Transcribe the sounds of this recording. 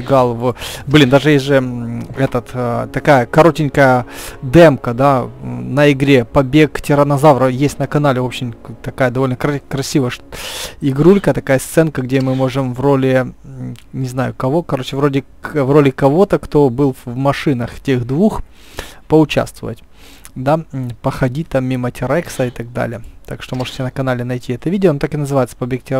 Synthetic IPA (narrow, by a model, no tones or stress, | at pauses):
ɪɡalˠvblʲind̪aʐɨjeʐɨɛt̪ət̪ːt̪ɐkajəkɐɾo̞tʲɪnʲkəjəd̪ɛmkəd̪anəɪɡɾʲepɐbʲektʲɪɾənɐzavɾəjesʲtʲnəkɐnalʲɪvo̞pɕɪmt̪ɐkajəd̪ɐvo̞lʲnəkɾɐkɾɐsʲivəjəʂɪɡɾulʲkət̪ɐkajəst̪sɛnkəɡdʲemɨmo̞ʐɨmvro̞lʲɪ | nʲɪznajʊkɐvo̞kɐɾot͡ɕɪvɾo̞dʲɪ | vro̞lʲɪkɐvo̞t̪əkt̪o̞bɨlˠvmɐʂɨnəxtʲe̞xd̪vux | pəʊt͡ɕa̰st̪və̰və̰tʲ | d̪apəxɐdʲit̚ʲt̪amːʲimətʲɪɾɛksəɪt̪ɐɡ̚d̪a̰lʲɪjət̪akʂt̪o̞mo̞ʐɨ̥tʲɪnəkɐnalʲɪnɐjtʲiɛt̪əvʲidʲɪonot̪akɨnəzɨvajɪt̪sə̥pɐbʲek̚tʲɪ